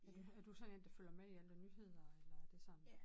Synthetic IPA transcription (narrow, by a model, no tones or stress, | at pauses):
æd̥uæd̥usɒ̽ne̝nd̥ɑføl̰ɐmeiælənyhe̝ð̰ˠɐelɐd̥e̝sɑ̈m̰̩